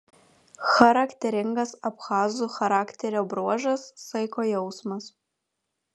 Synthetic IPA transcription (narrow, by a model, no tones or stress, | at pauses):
xɐɾɐkʲt̪ʲɛɾʲɪŋɡɐsɐpxɑːzuxɐɾɑːkʲt̪ʲɛɾʲoːbɾuɔʒɐsːɐɪkoːjɛʊsmɐs